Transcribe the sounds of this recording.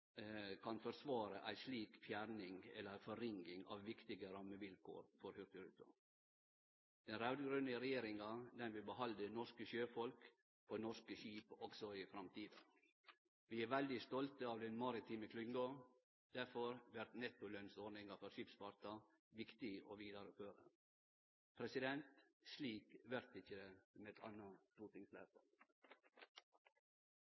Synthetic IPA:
kʰɑnfɔɾsʋɑːɾəʔæɪʂliːkfjæɾnɪŋɛ̰lːəɾæfɔɾɪŋɡɪŋɑ̰ʋʋɪkt̪ɪɡəɾɑməʋɪlkʰo̰ːɾfɔɾhʉɾt̪ɪɾʉːt̪ʊ̰ | d̪̥ɛnɾɑʉd̪ɡɾʉnəɾɛjeːɾɪŋɑd̪ɛnʋɪbəhɑld̪ənɔʂkəʃøːfɔlk | onɔʂkəʃiːpɔksɔɪfɾɑmt̪ʰiːd̪ɑ̰ | ʋɪːæɾʋæld̪ɪst̪ɔlt̪əɑːʋd̪ɛnmɑɾɪt̪ʰiːməkʰlʏŋɡo | d̪̥æɾfɔɾʋæɾt̪nɛt̪ʊlœnsɔɖnɪŋɑfɔɾʃiːpsfɑɾt̪ɑ | ʋɪkt̪ɪo̰ːʋiːd̪ɑɾəføːɾə̰ | pʰɾɛsɪd̪ɛnt̪sliːkʋæɾt̪ɪçːəmɛt̪ʰɑ̰nət̪uːt̪ɪŋslæ̰ːfə̰

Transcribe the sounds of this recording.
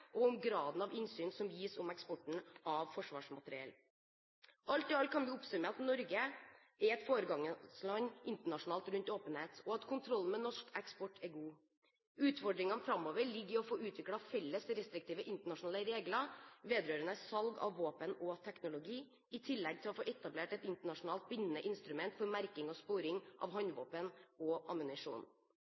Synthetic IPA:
ʔɔʊmɡɾɑːd̪n̩ɑʋɪnsyːnsɔmjiːsɔmɛkspɔʈːɳ̩ɑʋfɔʂʋɑ̰ːʂmɑt̪əɾɪɛ̰l | ʔɑlt̪ɔɑlt̪kʰɑnʋɪʊpsʉməɑt̪nɔɾɡə | ɛɾɛt̪foːɾəɡɑŋəslɑɲʔɪnt̪əɳɑʂʊnɑːlt̪ɾʉnt̪oːpənheːt̪ɔɑt̪kʰʊnt̪ʰɾɔlnmɛnɔʂkɛkspɔʈːʰɛɾɡuː | ʉːt̪fɔɖɾɪŋɑnfɾɑmoːʋəɾɭɪɡːəɔfoːʉːt̪ʰʋɪkɽɑfɛlːəsɾɛst̪ɾɪk̚t̪iːʋəʔɪnt̪əɳɑʂʊnɑːləɾeːɡlɑʋeːd̪ɾøːɾənəsɑlɡɑ̰ʋʋoːpənɔt̪ʰɛknʊlʊɡiː | ɪt̪ʰɪlːɛɡ̚t̪ʰɪlɔfoːʔɛt̪ɑbleːʈɛt̪ɪnt̪əɳɑʂʊnɑːlt̪̚bɪnːənəʔɪnst̪ɾʉmɛnt̪fɔɾmæɾkɪŋɔspoːɾɪŋʔɑ̰ːʋɦɑnʋoːpənɔʔɑmʉnɪʂṵːn

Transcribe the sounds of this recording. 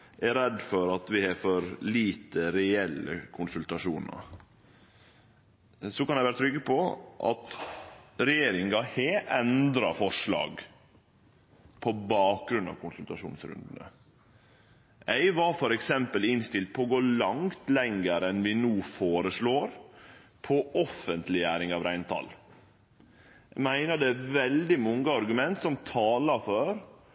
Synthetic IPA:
ʔɛɾɛd̪ːfɔɾɑt̪ʋɪhɛfɔɾliːt̪əɾɛɛlːə̰kʰʊnsʉlt̪ɑʂuːnə̰ɾ | sɔkɑnɛɪʋæːɾət̪ʰɾʏɡːəpʰɔʔɑ̰t̪ | ɾɛjeːɾɪŋɡɑheɛnd̪ɾɑfɔʂlɑ̰ːɡ | pʰɔbɑːk̚ɡɾʉnɑ̰ʋkʰʊnsʉlt̪ɑʂṵːnsɾʉ̰nd̪nə̰ | ʔæɪʋɑɾfɔɾɛksɛmpəlɪnst̪ɪlt̪̚pʰɔːɡoːlɑŋt̪lɛŋːəɾəɛnʋɪnuːfoːɾəsɭoːɾpʰɔʔɔfənt̪lɪæːɾɪŋɑʋɾæɪnt̪ʰɑ̰l | æmæɪnəd̪ɛæʋɛld̪ɪmɔŋɡəɑɾɡʉmɛnt̪sɔmt̪ʰɑːlɑføːɾ

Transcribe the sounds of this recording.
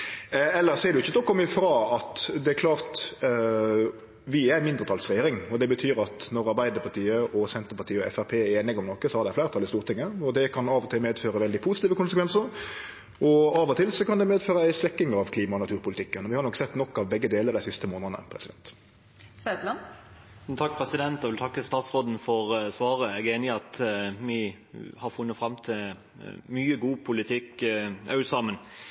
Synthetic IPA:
ɛlːəsɔɛɾɖ̪ʉɪçːəd̪ɔkːɔmɪfɾɑːɑt̪d̪ɛæɾklɑːʁt̪ | ʋɪæɾmɪnd̪ɾət̪ʰɑːlsɾɛjeːɾɪŋɔd̪ɛbət̪ʰyːɾɑt̪nɔɾɑɾbæɪd̪əɾpʰɑʈ̪iːəʔɔsɛnt̪əɾpɑʈ̪ʰiːəɔɛ̰fæpʰeːɛeːnɪɡɔmnɔkːəsɔhɑɾɖ̪ɛæɪflæɪɾət̪ʰɑlɪst̪uːʁt̪ɪŋːəɔd̪ɛkʰɑnɑːʋɔt̪ʰɪlmeːd̪føːɾəʋɛld̪ɪpʰuːsɪt̪iːʋəkʊnsəkʰʋɛnsəɾ | ʔɔɑʋɔt̪ʰɪlsɔkɑnd̪ɛmeːd̪føːɾəæɪsʋɛkːɪŋɑʋkʰliːmɑɔnɑt̪ʰʉːɾpʊlɪt̪ɪkːənɔʋɪhɑɾnɔkːsɛt̪ːnɔkːɑʋbɛɡːəd̪eːləɾd̪æɪsɪst̪əmoːnəənə̰pʰɾɛsɪd̪ɛ̰nt̪ | sɛd̪lɑ | t̪ʰɑk̚pʰɾɛsɪd̪ɛnt̪ɛʋɪlt̪ʰɑkːəst̪ɑːt̪sɾoːd̪n̩fɔɾsʋɑːɾəɛɡeːnɪɑt̪mɪ | hɑɾfʊnːət̪fɾɑmt̪ʰɪl | myːəɡuːpʰʊlɪt̪ʰɪkːɑʉt̪sɑmən

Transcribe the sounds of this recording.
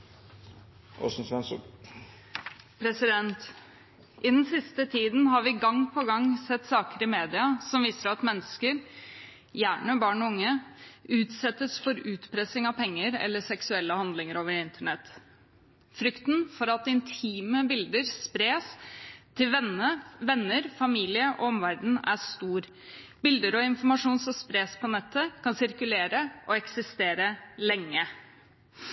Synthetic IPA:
ʔo̰sn̩sʋɛn | pʰɾɛsɪd̪ɛnt̪ | ʔɪd̪ɛnsɪst̪ət̪ʰiːd̪nhɑɾʋɪɡɑŋpʰɔɡɑŋːsɛt̪ːsɑːkəɾɪmeːd̪ɪɑsɔmʋiːsəɾɑt̪mɛnːəskəɾ | jæːɳəbɑːɳɔʊŋːəʉːt̪sɛt̪ːəsfɔɾʉːt̪pʰɾɛsɪŋɑʋpʰɛŋːəɾɛ̰lːəʂɛksʉɛlːəhɑnd̪lɪŋəɾoːʋəɾɪnt̪ʰəɳɛt̪ː | fɾʏkt̪nfɔɾɑt̪ɪnt̪ʰiːməbɪld̪əɾspɾeːst̪ʰːɪlʋɛnəʋɛnːəɾfɑmiːlɪəʔɔ̰ɔmʋæɖɳ̩æst̪uːɾ | bɪld̪əɾɔɪnfɔɾmɑʂuːnsɔspɾeːspʰɔnɛt̪ʰːəkʰɑnsɪɾkʉleːɾəʔɔɛksɪst̪eːɾəlɛŋːə

